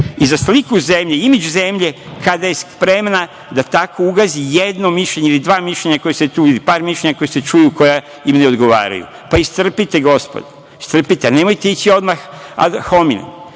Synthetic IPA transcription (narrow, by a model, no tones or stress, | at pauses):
izaslikuzemʎeimed͡ʑuze̞mʎekad̪aje̞spɾe̞mna | d̪at̪akʰo̞uɡazijed̪no̞miʃʎe̞ɲeilid̪ʋaːmiʃʎe̞ɲako̞jese̞t̪uːid̪ipaːɾmiʃʎʲeɲako̞jese̞t͡ʃujuko̞ja | imneo̞d̪ɡo̞ʋa̰ːɾa̰jṵ | paist̪r̩pit̪e̞ɡo̞spo̰d̪a | ist̪r̩pit̪eane̞mo̞jt̪eit͡ɕio̞d̪maxa̰ho̞minḛm